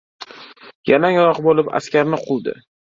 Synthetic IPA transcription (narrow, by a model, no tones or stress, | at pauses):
janaŋɾɒqbolɪpa̰skʲaɾnɪqʰʊlˠd̪ɪ̰